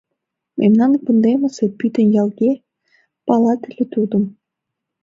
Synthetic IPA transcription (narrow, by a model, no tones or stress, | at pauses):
mʲʔḛmʲnɑnkɤnd̪emɘ̆sĕpyt̪ɘ̆njɑlˠɡʲe | pɑlˠɑt̪ɘ̆lʲɘ̆t̪ud̪ɤ̆m